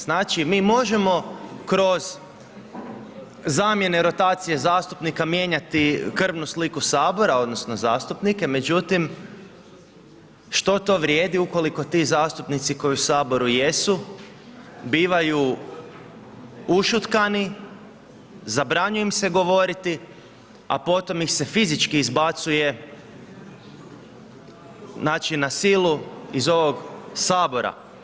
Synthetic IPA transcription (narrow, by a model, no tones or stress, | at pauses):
z̥naːt͡ʃimiːmo̞ʒe̞mo̞kɾo̞z̥ | amje̞ne̞ɾo̞t̪aːt̪sije̞zaːst̪upnikamje̞ːɲat̪ikr̩ʋnuslikusaːbo̞ɾao̞d̪no̞snozaːst̪upnike̞me̞d͡ʒut̪im | ʃt̪o̞t̪o̞ːʋɾjeːd̪iuko̞liko̞t̪iːzaːst̪upnit̪siko̞jiusaːbo̞ɾujesu | biːʋaju | uʃut̪kani | zabɾaɲujemse̞ɡo̞ʋo̞ɾit̪i | a̰po̞t̪o̞mixse̞fizit͡ʃkiːzbat̪suje̞ | naːt͡ʃinasiluizo̞ʋo̞ɡsaːbo̞ɾa̰